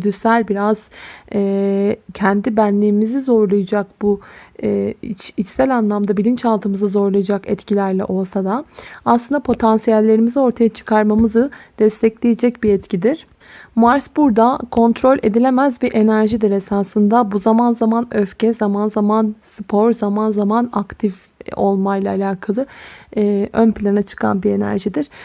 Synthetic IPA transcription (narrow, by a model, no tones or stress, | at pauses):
d̪ysælʲbiɾaz̥ɛːcʰɛnd̪ibænlʲiːmizizo̞ɾlˠajad͡ʒak̚buɛit͡ʃit͡ʃsælʲanlˠamd̪abilʲint͡ʃalˠt̪ʰɯmɯzɯzo̞ɾlˠajad͡ʒakɛt̪cilʲæɾlʲɛ̰ʔo̞lˠsad̪aaːslˠɯnd̪apʰo̞t̪ʰansijælʲːe̞ɾimizio̞ɾt̪ʰajat͡ʃʰɯ̥kʰaɾmamɯzɯd̪̥ɛst̪ʰɛclʲejed͡ʒɛcbiɛt̪cʰid̪iɾ̥ | maɾsbuɾd̪akʰo̞nt̪ɾo̞lʲʔe̞̰d̪ilʲe̞mæzbiʔe̞næɾʒid̪iɾe̞saːsɯnd̪abuzamanzamanøfcɛzamanzamanspʰo̞ɾzamanzamanakt̪ʰif | o̞̰lˠmajlˠaːlʲaːkʰalˠɯ | ʔønplʲanat͡ʃʰɯ̥kʰa̰nbie̞næ̰ɾʒid̪iɾ̥